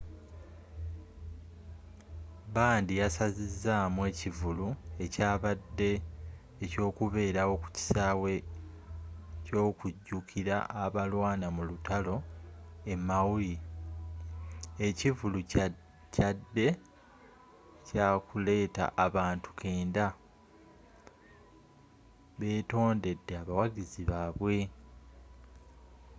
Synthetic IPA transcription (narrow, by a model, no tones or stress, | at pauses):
baːndijasazizːaːmwe̞ːcivulue̞caːβadːe̞ː | co̞ːkuβe̞ːɾawo̞ku̥ci̥saːwe̞ | co̞ːkuɟːukʰiɾa̰ʔaβalwaːnamulutalo̞e̞mawuli | ecivulu | cadːe̞ | caːkule̞ːta̰ʔaβaːntu̥kʰe̞ːnda | βe̞ːto̞ːnde̞dːeaβawaɡiziβaːβwe̞